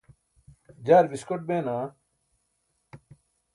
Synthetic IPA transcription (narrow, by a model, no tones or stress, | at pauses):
d͡ʑaːɾbiskoʈ̚beːnaː